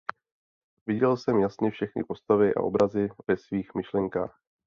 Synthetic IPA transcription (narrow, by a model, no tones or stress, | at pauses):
vɪɟɛlsɛmjasnɪfʃɛxnɪ̰po̞st̪avɪʔa̰ʔo̞bɾazɪvɛsviːxmɪʃlɛŋka̰ːx